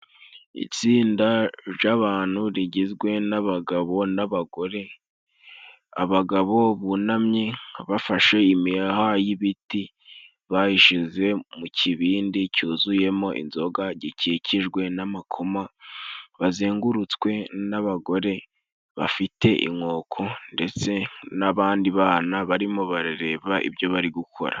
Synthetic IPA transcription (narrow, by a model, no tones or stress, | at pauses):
ḭt͡siːndaɾjaβaːn̥huɾiɟizɡwe̞naβaɡaβo̞naβaɡo̞ɾe̞ | a̰βaɡaβo̞βunamɲiβafaʃe̞imiaɦajiβiti | βajiʃize̞mucʰiβiːndicuːzuje̞mo̞ʔḭnzo̞ɡaɟiciciʒɡwe̞namakʰoma | βaziːŋɡuɾut͡skwe̞naβaɡo̞ɾe̞ | βa̰fite̞ʔḭmŋo̞ːkʰo̞nde̞t͡se̞naβaːndiβaːnaβaɾimoβaɾiɾe̞ːβaʔḭβjo̞βaɾiɡukʰo̞̰ɾa̰